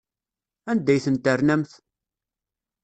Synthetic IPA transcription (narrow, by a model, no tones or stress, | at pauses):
ænd̪æjθənt̪ərnæmθ